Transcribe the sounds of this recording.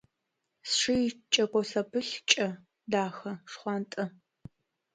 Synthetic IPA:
sʂɨjt͡ʃʼɐkʷʼɔsɐpʰɨɬt͡ʃʼɐ | daːxɐʂχʷɑːntʼɐ

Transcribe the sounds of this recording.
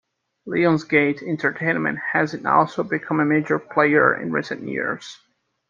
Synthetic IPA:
liə̃nzɡeɪtɪ̃ntʰə˞tʰẽɪ̃nmɨ̰̃nt̚hæzɨ̃ntɔ̰lˠsoʊbɨkʰʌ̃məmeɪd͡ʒə˞pʰl̥eɪə̰˞ɪ̰̃nɹḭsɨ̰̃njɪ̰ɹz̥

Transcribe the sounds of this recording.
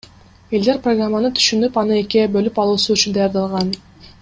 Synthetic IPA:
e̞ld̪e̞ɾproɡramːanɯt̪ʰy̥ʃynypɑnɯe̞kibø̞lypɑlˠuːsuyt͡ʃynd̪ɑjɑɾd̪ɑlˠʁɑn

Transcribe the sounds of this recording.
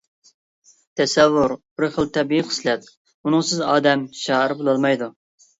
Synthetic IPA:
t̪ʰɛsɛvːʊɾb̥ɪɾχəlˠt̪ʰɛbiiqʰə̥slɛt̪̚ | unɨŋsɪzɑːd̪ɛmʃɑːəɾɪbolˠɑlˠmɑjd̪u

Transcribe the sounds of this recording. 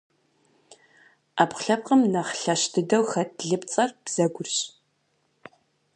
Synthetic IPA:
ʔaːpχɬɐp̚qəmnɐχɬɐʃtʰɨdɐwxɐtʰɮɨpt͡sʼɐrb̥z̥ɐɡʷʊrɕʼ

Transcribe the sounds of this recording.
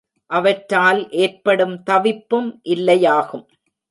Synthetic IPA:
ʔɐʋɐʈɾaːlʔeːrpɐɽɯmt̪ɐʋɪpːɯmʔɪlːɐjaːɣɯm

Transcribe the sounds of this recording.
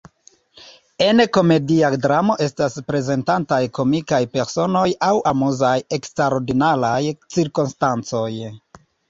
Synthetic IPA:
enko̞me̞diadɾamo̞ʔe̞staspɾe̞ze̞ntantajko̞mikajpe̞ɾso̞no̞jawamuzaje̞kstɾaɾoɾdinalajt͡siɾkonstant͡so̞j

